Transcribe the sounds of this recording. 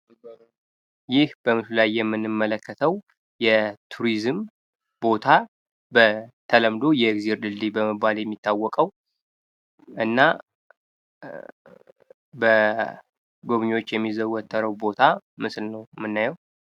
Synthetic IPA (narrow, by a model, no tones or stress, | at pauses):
jɪhb̥əmɨslajːɛmːɨnːɨmːələkʰːət̪ʰəw | jɛt̪ʰuɾizɨm | bo̞t̪ʰa | bət̪ʰələmd̪o̞jɛɡziɾd̪ɨld̪ibəmɨbːaljɛmːit̪ʰːawːɔkʼəw | ʔɨnːa | bə | ɡoβɲwo̞t͡ʃːjɛmːizəwɔt̪ʰːəɾəwbo̞t̪ʰamɨslnəwmɨnːajɛw